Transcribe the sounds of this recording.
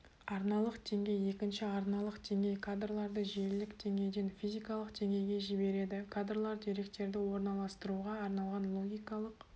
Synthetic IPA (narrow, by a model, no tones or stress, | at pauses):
ɑɾnɑlˠəqd̪̥e̞ŋɡʲe̞je̞kʲɪnʃɪɑɾnɑlˠəqd̪̥e̞ŋʲe̞jkʰad̪rlˠɑɾd̪əʒielɪkd̪̥e̞ŋʲe̞jd̪e̞nfʲijzʲijkɑlˠəqd̪̥e̞ŋʲe̞jɡʲe̞ʒɪbe̞ɾe̞d̪ɪkʰad̪rlˠɑɾd̪eɾe̞k̚t̪e̞ɾd̪ɪwo̞ɾnɑlˠɑst̪əɾuʁɑːɾnɑlˠʁɑnlˠo̞ɡʲijkɑlˠəq